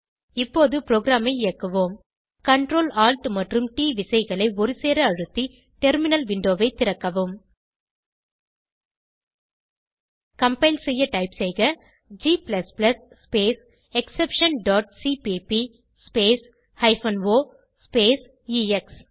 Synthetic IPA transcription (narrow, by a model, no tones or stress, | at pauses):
ɪpːoːðɯpɾoːɡɾaːmɐɪɪjɐkːɐʋoːm | kɐɳʈɾoːlaːlʈmɐʈrɯmʈiːʋɪsɐɪɣɐɭɐɪɔɾɯseːɾɐɐɻɯt̪ːi | ʈɛɾmɪnɐlʋɪɳɖoːʋɐɪt̪ːɪɾɐkːɐʋɯm | kɐmpɐɪlsɛjːɐʈɐɪpsɛɪɣɐ | d͡ʒiːplɐsplɐsːpeːs | ɛksɛpʂɐnɖaːʈ̚sipiːpi | speːs | hɐɪfɐnʋoː | speːs | iːɛks